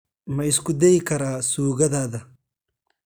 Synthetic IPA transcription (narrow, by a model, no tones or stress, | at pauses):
mɐɪskʊd̪ɛjɪkʰɐɾaːsuːɣɐðaːðɐ